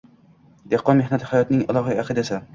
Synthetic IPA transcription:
d̪eqːɒnmehnat̪ʰɪ̥hajɒt̪nɪŋalˠɒɦiaqʰɨd̪asa

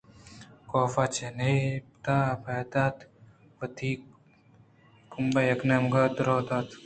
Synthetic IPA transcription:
koːfat͡ʃʰenept̪abaːt̪aːt̪ | ʋɐt̪ʰiː | kumbajɐknɐmɡaːt̪ɾoːt̪aːt̪

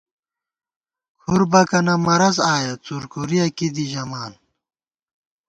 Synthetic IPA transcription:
kʰuɾbɐkɐnɐmɐɾɐzaːjɐt͡suɾkuɾijɐkid̪iʑɐmaːn

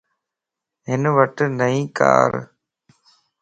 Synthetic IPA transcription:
ɦɪnʋəʈnəĩːka̰ːɾ

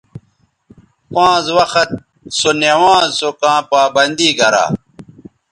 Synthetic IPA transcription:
pãːzwɐxɐt̪̚ | sonjewãːzsokãːpaːbɐnd̪iːɡɐɾa̰ː

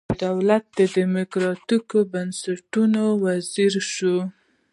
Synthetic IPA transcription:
d̪awlat̪̚d̪əd̪əmʊkɾɑt̪ikobansaʈunowaziɾʃu

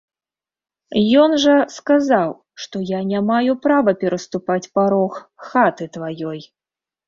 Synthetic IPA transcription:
jɔnʐɐskazaw | ʂt̪ɔjanʲamajupɾavɐpʲɛɾɐst̪upat͡sʲpaɾɔxxat̪ɨt̪vajɔj

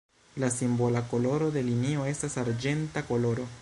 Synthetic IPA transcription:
lasimbo̞lako̞lo̞ɾo̞de̞linio̞e̞stasaɾd͡ʒe̞ntako̞lo̞ɾo̞

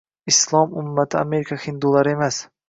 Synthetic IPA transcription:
ɪslˠɒmʊmːat̪ʰɪame̞ɾɪkʰahɪnd̪ulˠaɾɪe̞mas

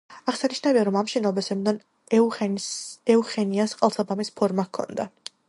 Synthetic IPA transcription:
aχsaniʃnaviaɾɔmamʃɛnabasɛmd̪an | ɛuχɛniasqʼɛlˠsabamispʰɔɾmakʰːɔ̰nd̪a

